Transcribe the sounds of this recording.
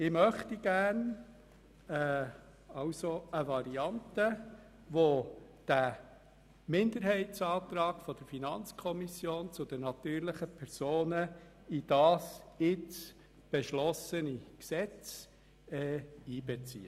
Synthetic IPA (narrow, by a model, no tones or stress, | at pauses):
ɪmœχtiɡ̥æːɾn | ɛ | ɑwsoəvɑɾiɑntə | ʋod̥æ | mɪnd̪əɾhɛɪtsɑːt̪ɾɑːɡ̥fɔd̥̪əɾfinɑnt͡skʰɔmisjoːnt͡sʊd̪ənɑt̪yːɾlɪχəpʰɛɾsoːnə | id̥ɑːsɪt͡s | b̥eʃlɔsəniksɛt͡s | ɛiːbɛt͡sḭːə